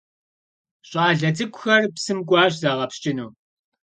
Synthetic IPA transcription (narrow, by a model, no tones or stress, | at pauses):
ɕʼɑːɮɐt͡sʼɨkʷʼxɐrpsɨmkʷʼɑːɕ̬zaːʁɐpst͡ʃʼɪnuː